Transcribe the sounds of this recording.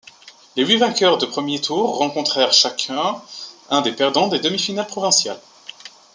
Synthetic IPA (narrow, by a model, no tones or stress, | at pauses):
leɥivɛ̃kʲœʁd̪əpχəmjet̪ʰuʁːɑ̃kɔ̃t̪χɛʁʃakʰɛ̃ɛ̃d̪epɛʁd̪ɑ̃d̪ed̪əmifinalpχɔvɛ̃sjal